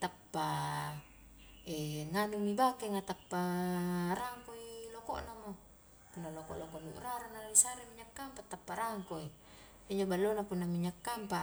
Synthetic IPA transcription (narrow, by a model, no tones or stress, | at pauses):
t̪apːa | eŋanumibakeŋat̪apːa | ɾaŋkoiloko̰ʔnamo | punːalokɔʔlokoʔnuʔraɾanaaisaɾemiɲakːampat̪apːaɾaŋkoi | iɲd͡ʒobalːonapunːamiɲakːampa